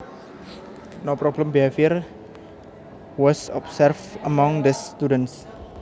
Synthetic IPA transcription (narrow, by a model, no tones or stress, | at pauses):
nopɾɔblə̃mbiafir | wɔsɔ̰psɛrfəmɔ̃ŋdəst̪udəns